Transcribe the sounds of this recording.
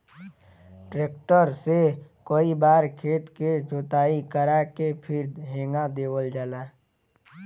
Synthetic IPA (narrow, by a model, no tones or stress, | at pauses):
ʈɾeːkʈəɾsekoːibaːɾkʰeːt̪ket͡ʃoːt̪aːikəɾakepʰɪɾd̪ɦẽːŋɡad̪eːwəld͡ʒalaː